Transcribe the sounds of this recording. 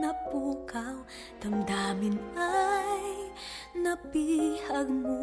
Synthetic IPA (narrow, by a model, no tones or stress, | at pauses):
ɐpukaw | t̪ɐŋd̪aːmɪnajnɐpihɐɡ̚mo